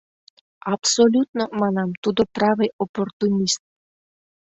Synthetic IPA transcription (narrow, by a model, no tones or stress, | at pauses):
apsolʲut̪nɔmanamt̪ud̪opɾavɨjoport̪unʲist̪̚